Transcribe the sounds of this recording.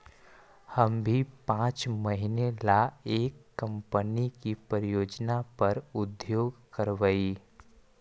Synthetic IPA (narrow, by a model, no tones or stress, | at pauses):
hɐmbʱipãːt͡ʃmɐɦinelaeːkːɐ̃mpənikipɾəɾɪjoːd͡ʒnapɐɾʊd̪joːɡkəɾʋəi